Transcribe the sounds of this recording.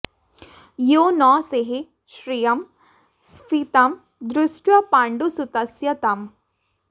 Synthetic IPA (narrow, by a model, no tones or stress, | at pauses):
jonɔːseɦe | ʃɾijɐm | sfit̪ɐm | d̪ɾʊsʈwɐpaːɳɖusut̪ɐsjɐt̪ɐm